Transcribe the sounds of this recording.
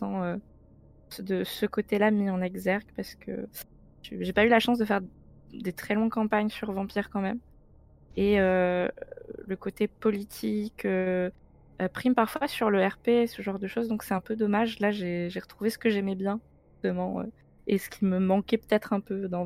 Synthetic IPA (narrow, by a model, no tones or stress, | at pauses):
sɑ̃ø | səd̪əsəkot̪elamiɑ̃nɛɡzɛʁɡpaʁsə̥kʰə̰ | ʒḛʒepaylaʃɑ̃s̬d̪əfɛʁd̪et̪χɛlɔ̃kɑ̃paɲsyʁvɑ̃piʁkɑ̃mɛm | eø̰ | ləkot̪epɔlit̪ʰikø | øpχimpaʁfwasyʁləɛʁpesəʒɑ̃ʁd̪əʃozd̪ɔ̃ksɛt̪ɛ̃pød̪ɔmaʒlaʒeʒeʁət̪χuvesə̥kəʒɛmɛbjɛ̃ʒʒyst̪əmɑ̃ø̰ | esə̥kʲiməmɑ̃kʲɛpø̥t̪ɛt̪χɛ̃pød̪ɑ̃